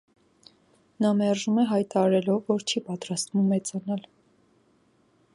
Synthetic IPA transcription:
nɑmɛrʒumɛɦɑjt̪ɑɑɾɛlɔvːɔɾt͡ʃʰipɑt̪ɾɑst̪mumɛt͡sɑnɑl

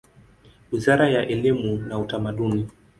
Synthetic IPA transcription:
wizaɾajaʔɛlimunautamaɗuni

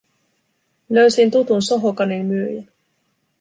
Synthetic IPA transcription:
løɥsint̪ut̪unsoɦokɑninmyøjæ

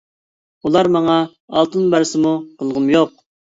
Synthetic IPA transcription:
ulˠɑɾmɑŋɑ | ɑ̰lˠt̪ʰɨnbæɾsɪmuqʰəlˠʁʊmjoq̚

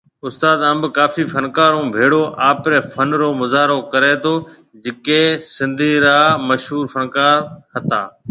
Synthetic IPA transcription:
ʊst̪aːd̪əmbkaːfiːfʰənkaːɾũːbʱeːɽoːʔaːpɾeːfʰənɾoːmʊzaːɾoːkəɾeːt̪ʰoː | d͡ʒɪkeːsɪ̃nd̪ʱiːɾaːməʃɦuːɾfʰənkaːɾhət̪aː

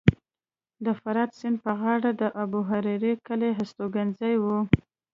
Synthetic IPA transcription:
d̪əfaɾɑd̪sɪnd̪̚pəɣɑɽad̪əʔabuɦaɾiɾikəleɦast̪oɡanzajwu

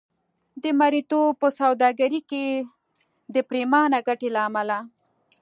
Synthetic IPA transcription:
d̪əmaɾit̪opəsawd̪ɑɡaɾike | d̪əpɾemɑnaɡaʈelaːmala

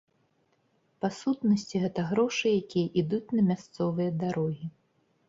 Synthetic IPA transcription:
pasut̪nɐsʲt͡sʲiɣɛt̪ɐɣɾɔʂɨjakʲijɐʔid̪ut͡sʲnɐmʲast̪sɔvɨjɐd̪aɾɔɣʲi

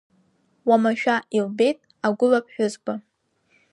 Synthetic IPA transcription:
wamaʃᶣaʔilbe̞jtʼ | aɡʷʊlap̚ʰʼħʷᶣʊzba

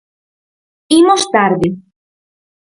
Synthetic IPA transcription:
imost̪aɾði

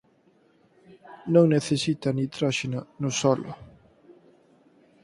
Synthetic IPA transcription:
nõŋneθesit̪anit̪ɾaʃinanʊsɔlʊ̰

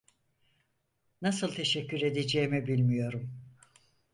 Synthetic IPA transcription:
nasɯlˠt̪ʰe̞ʃɛcːyɾe̞d̪ed͡ʒeːmibilʲmijo̞ɾum

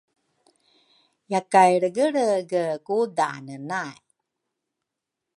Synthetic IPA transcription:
jakajɽəɡəɭəɡəkuda̰nənaj

